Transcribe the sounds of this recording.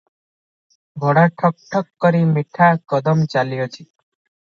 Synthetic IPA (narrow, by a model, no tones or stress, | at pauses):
bʱɔɽaʈʰɔk̚ʈʰɔkːɔɾimiʈʰakɔd̪ɔmt͡ʃalijɔt͡ʃʰi